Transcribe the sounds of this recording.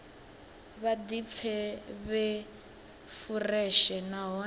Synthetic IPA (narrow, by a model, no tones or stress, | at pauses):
βadip̪fʰɛβɛ | furɛʃɛnaɦɔ